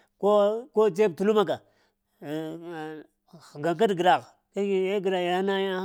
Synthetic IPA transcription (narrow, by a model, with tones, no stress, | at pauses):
ko˦ko˦t͡ʃe˦˨tu˨lu˦ma˦ɡa˨ | ɡa˨ŋk̬a˦dɡi˨ɾa˨ɣ | ka˦i˨e˦ɡɾa˨a˨˦na˦ja˦